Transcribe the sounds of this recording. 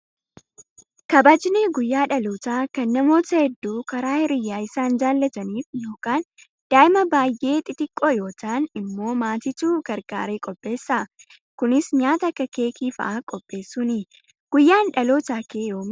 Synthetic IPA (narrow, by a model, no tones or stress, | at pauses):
kɐbaːd͡ʒɪneːɡʊjːaːᶑɐloːt̪aːkɐnːɐmo̞ːt̪ɐhɛd̪ːuːkɐɾaːhɪɾɪjːaːɪsaːnd͡ʒaːlːɐt̪ɐniːfjo̞ːkaːn | d̪̥aːʔɪmɐbaːjʔe̞ːt̪ʼɪt̪ɪkʼːoːjo̞ːtaːnɪmːo̞ːmaːt̪ɪt̪uːɡ̥ɐɾɡa̰ːɾeːkʼɔpʼːe̞ːsːɐ | kʊnɪsɲaːt̪ɐkːɐke̞ːkiːfɐ̰ʔaːkʼɔpʼːe̞ːsːuːnɪ | ɡ̥ʊjːaːnᶑɐloːt̪aːkeːjoːm